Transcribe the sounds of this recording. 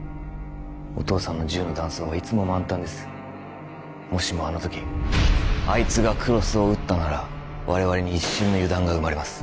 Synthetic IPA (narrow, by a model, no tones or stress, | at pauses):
o̞̰t̪o̞ːsãnːo̞ʑɨːno̞d̪ãɰ̃so̞ːβ̞ait͡sɨmo̞mãnt̪ãnd̪e̞sɨ̥ | mo̞ɕimo̞ano̞t̪o̞kʲi | ait͡sɨɡakʰɯ̟ɾo̞sɨo̞ɯ̟t̪ːanaɾa | βaɾe̞β̞aɾe̞ɲ̟iːɕːɨ̃nːo̞jɯ̟d̪ãŋɡaɯ̟maɾemasɨ̥